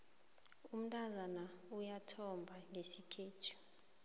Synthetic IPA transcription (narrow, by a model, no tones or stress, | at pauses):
um̩tʼazanaujatʰɔmbʱaŋʱesikʰeːtʰu̥